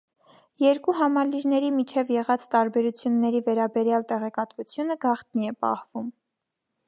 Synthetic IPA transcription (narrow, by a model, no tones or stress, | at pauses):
jɛɾkuɦɑmɑliɾnɛɾimit͡ʃʰɛvjɛʁɑt͡sʰt̪ɑɾbɛɾut͡sʰjunːɛɾivɛɾɑbɛɾjɑlt̪ɛʁɛkɑt̪vut͡sʰjunəɡɑχt̪niɛpɑ̰hvum